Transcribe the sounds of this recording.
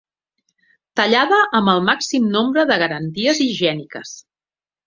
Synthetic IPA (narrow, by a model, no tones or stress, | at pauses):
t̪əʎaðəʔəmbəlˠmaksimnombɾəðəɣ̞əɾənt̪iəziʒiɛnikə̰s